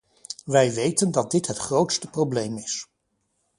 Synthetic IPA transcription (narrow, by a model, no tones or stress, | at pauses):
ʋɛjʋejtəndɑt̚dɪtɦətχrowtstəprowblejmɪs